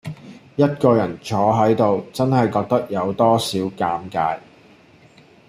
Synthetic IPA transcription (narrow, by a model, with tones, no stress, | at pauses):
jɐ˥t̚kɔː˧jɐ˨˩nt͡ʃʰɔː˨˧˥ɦɐ˨˥jt̪o˨wt͡sɐ˥nɦɐ˨jkɔː˧k̚t̪ɐ˥k̚jɐ˨˧wt̪ɔː˥siː˨˥wkaː˧mka̰ː˧j